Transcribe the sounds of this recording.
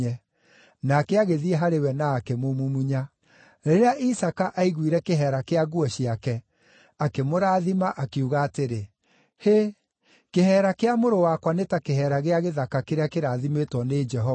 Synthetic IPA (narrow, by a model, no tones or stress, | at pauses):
ɛ | nakeaɣeðiɛɦaɾewɛnaːkɛmomumuɲa | ɾeɾeaʔisakaʔaiɣwiɾɛkeɦɛɾakeaɣuɔɕiakɛ | akemoɾaːðimaʔakeuɣaːteɾe | he | kehɛːɾakeamoɾowakwanetakehɛɾaɣeaɣeðakakeɾeakeɾaðimetwɔned͡ʒɛɦɔ